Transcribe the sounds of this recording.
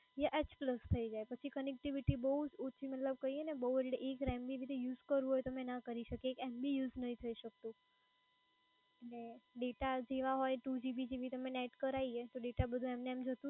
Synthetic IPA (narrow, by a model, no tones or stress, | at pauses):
jaʔet͡ʃpləst̪ʰəid͡ʒajpət͡ʃʰikənek̚ʈiʋiʈibəɦud͡ʒut͡ʃʰimət̪ləb̚kəienebəɦuɽeʔekɾɛmbiʋid̪ʱijuːzkəɾʋũɦɔjt̪əmenakəɾiʃəkeːkɛmbijuznəɦĩt̪ʰəiʃək̚t̪ũ | eeɖeʈad͡ʒeʋaɦɔjʈud͡ʒibid͡ʒiʋit̪əmeneʈkəɾaiet̪oɖeʈabəd̪ʱũɛmneɛmd͡ʒət̪ũ